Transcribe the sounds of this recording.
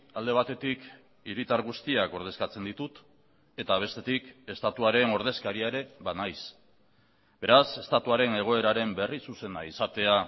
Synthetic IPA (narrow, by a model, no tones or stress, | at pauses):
ald̪e̞β̞at̪e̞t̪ik | iɾit̪aɾɣ̞ust̪iako̞ɾð̞e̞skat͡se̞nd̪it̪ut̪ | e̞t̪aβ̞e̞st̪e̞t̪ike̞st̪at̪uaɾe̞no̞ɾð̞e̞skaɾiaeɾe̞βanajs | be̞ɾase̞st̪at̪uaɾe̞ne̞ɣ̞o̞e̞ɾaɾe̞mbe̞risuse̞naisat̪e̞a